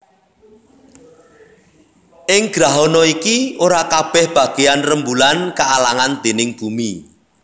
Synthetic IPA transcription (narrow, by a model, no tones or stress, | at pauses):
ʔɪŋɡ̥ɾaɦɔnɔikioɾakab̥ɛhb̥ä̤ɡ̥eanrəmbulankaːlaŋand̪̥e̤nɪŋɡ̥umi